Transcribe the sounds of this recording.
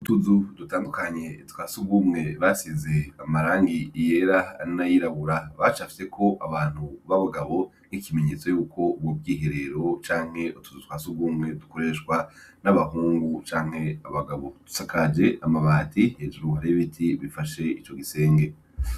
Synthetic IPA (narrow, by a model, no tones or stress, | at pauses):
utuzud̥utaːndukaɲe̞twasuɡɡumŋe̞βasize̞amaɾaːŋɡije̞ɾainajiɾaβuɾaβat͡ʃafi̥se̞kʰo̞ʔaβaːn̥huβaβaɡaβo̞ | nikime̞ɲe̞ːt͡so̞juːkʰo̞b̚wobɡiːɦeɾe̞ɾo̞t͡ʃaːŋ̥he̞utu̥zutwasuɡuːmŋe̞duko̞ɾe̞ʃkwanaβaɦuːŋɡut͡ʃaːŋ̥he̞aβaɡaβo̞d̥u̥sakad͡ʒe̞amaβaːtʰiheːd͡ʒuɾuaɾeiβitʰiβifaʃe̞it͡ʃo̞ɡise̞ːŋɡe̞